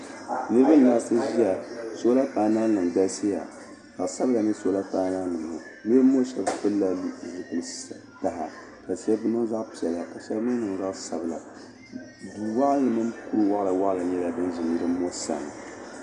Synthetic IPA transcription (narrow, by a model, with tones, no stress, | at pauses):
nɨ˦bɨ˦n˨na˦sɨ˦ʒi˦ja˨so˦la˦paː˨na˦nɨ˨ŋɡ͡ba˦lsɨ˦ja̰˨ | z̥a˨ʔsa˦bla˨nɨ˦so˦la˦paː˦naː˦nɨ˨m˨ʊ̰˨ | mi˦mo˦ʃɛ˨bpɨ˦lla˦zɨ˨kɨ˨lɨ˦ | ta˨ɦa˨ | ka˨ʃɛ˦bnɨ˦za˦ʔpi˨ɛ˨la˨ka˨ʃɛ˦bmɨ˦n˦nɨ˨ŋza˦ʔsa˨bɨ˨la̰˨ | du˨wa˦ʔn˦lɨ˨mɨ˦mku˦ɾwa˦ʔla˨wa˦ʔla˨ɲɛ˦la˨bɨ˦nʒi˨nji˦ɾɨ˦mo˦sa̰˨ŋ˨